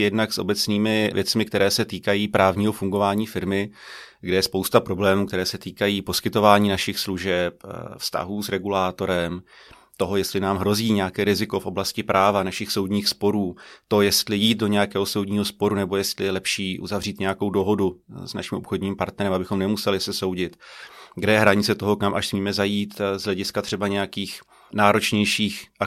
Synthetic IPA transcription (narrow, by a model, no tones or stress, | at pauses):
jɛdnaksʔo̞̰bɛt͡sniːmɪvjɛt͡smɪkt̪ɛɾɛːsɛt̪iːkajiːpɾʔaːvɲiːɦo̞fuŋɡo̞vaːɲiːfɪɾmɪɡdɛjɛspowst̪apɾo̞blɛːmuːkt̪ɛɾɛːsɛt̪iːkajiːpo̞skɪt̪ovaːɲiːnaʃɪxsluʒɛpfst̪a̰ɦuːsɾɛɡulaːt̪o̞ɾɛm | t̪o̞ɦo̞jɛstlɪnaːmɦɾo̞ziːɲɛjakɛːɾɪzɪko̞fʔo̞blascɪpɾʔaːvanaʃɪxso̞wdɲiːxspo̞ɾuːt̪o̞jɛst̪lɪjiːt̪̚do̞ɲɛjakɛːɦoso̞wdɲiːɦo̞spo̞ɾunɛbo̞jɛst̪lɪjɛlɛpʃiːʔṵzavriːt̪ɲɛjako̞wdo̞ɦo̞dusna̰ʃɪmʔopxo̞dɲiːmpaɾt̪nɛɾɛmabɪxo̞mnɛmusɛlɪsɛso̞wɟɪt̪ɡdɛjɛɦɾaɲɪt͡sɛt̪o̞ɦo̞kamʔaʃsmiːmɛzajiːt̪zɦlɛɟɪskat̪r̝̥ɛbaɲɛjakiːx | naːɾo̞t͡ʃɲɛjʃiːxʔa